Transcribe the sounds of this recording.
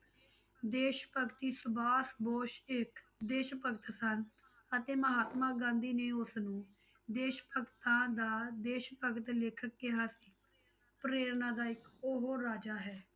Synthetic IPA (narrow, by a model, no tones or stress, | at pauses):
d̪eːʃpəkt̪iːsʊbaːsboːʃɪk | d̪eːʃpəɡt̪sən | ət̪eːməɦaːt̪mãːɡãːnd̪iːneːʊsnũː | d̪eːʃpəkt̪ãːd̪aːd̪eːʃpəkt̪lɪkʰək̚ːɪɦaːsiː | pɾeːɾnãːd̪aːɪkoɦoːɾaːd͡ʒaːɦɛː